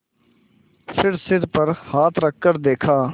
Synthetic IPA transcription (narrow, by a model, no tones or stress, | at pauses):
pʰɪɾsɪd̪pəɾhaːt̪ʰɾəkːəɾd̪eːkʰaː